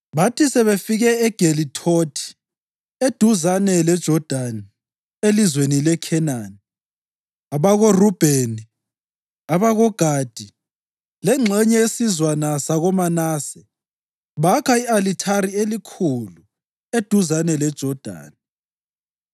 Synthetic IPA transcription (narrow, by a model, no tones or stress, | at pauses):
βatʰisɛβefiɣɛɛɡ̥ʱelitʰotʰi̥ | ed̥ʱuzanɛlɛd̥ʒ̥ʱɔd̥ʱan | elizwenilɛkʰɛnaːni | aβaɣorub̥ʱeni | aβaɣɔɡ̥ʱaːd̥ʱi | lɛŋ͡ǁʱɛɲɛesizwanasaɣɔmanaːsɛ | βakʰaialitʰaɾielikʰulu | ed̥ʱuzanɛlɛd̥ʒ̥ʱɔd̥ʱa̰ːni